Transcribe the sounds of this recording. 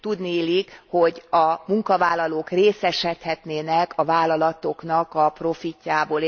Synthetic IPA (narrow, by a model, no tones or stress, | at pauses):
t̪ud̪nilikho̞ɟɒmuŋkɒvaːlːɒloːkreːsɛʃɛt̪hɛt̪neːnɛkʰɒvaːlːɒlɒt̪o̞knɒkɒpro̞ficːaːboːl